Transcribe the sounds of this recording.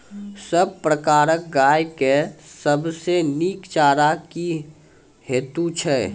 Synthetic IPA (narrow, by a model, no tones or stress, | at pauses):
səb̚pɾəkaːɾək̚ɡaːjkesəbseniːkt͡ʃaːɾaki | heːt̪ut͡ʃʰɛː